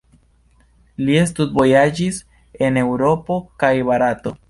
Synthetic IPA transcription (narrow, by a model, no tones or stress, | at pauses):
lies̬tut̚bo̞jad͡ʒis | e̞ne̞wɾo̞po̞kajbaɾato̞